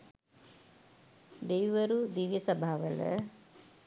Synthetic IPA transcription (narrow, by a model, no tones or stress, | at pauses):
d̪ejʋɐɾud̪iʋjɐsɐbʱaːʋɐlə̰